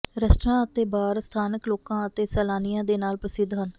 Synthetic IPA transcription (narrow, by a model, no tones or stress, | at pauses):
ɾəsʈɾãːət̪eːbaːɾst̪ʰaːnəkloːkãːət̪eːsɛːlaːnijãːd̪eːnaːlpɾəsɪd̪ʱːɦən